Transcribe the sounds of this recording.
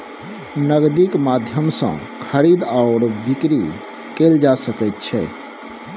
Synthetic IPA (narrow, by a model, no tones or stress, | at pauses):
nəɡd̪ikmad̪ʱjəmsə̰̃ | kʰəɾid̪aʊɽbikɾi | keld͡ʒasəkɛt̪̚t͡ʃʰɛ̰